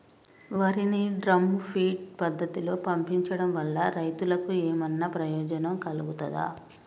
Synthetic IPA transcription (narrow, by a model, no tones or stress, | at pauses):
ʋɐɾiniɖɾɐmupʰiːʈ̚pɐd̪ːɐt̪ilo̞ːpɐmpiɲt͡ʃɐɽɐmʋɐlːɐɾɐjt̪ulɐkueːmɐnːɐpɾɐjɔːd͡ʒɐnɐmkɐluɡut̪ɐd̪ɐ̰